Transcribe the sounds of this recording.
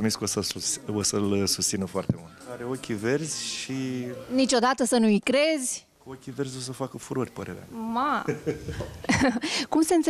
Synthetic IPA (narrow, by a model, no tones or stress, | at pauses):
omiskosəosəlsust̪sinəfoart̪e̞mult̪aɾeokʲive̞rzʲʃinit͡ʃo̞d̪at̪əsənuikɾe̞zʲ | kokʲive̞rzʲo̞s̬əfakəfuɾorʲpəɾe̞ɾea̰ma | kumseɨnt̪s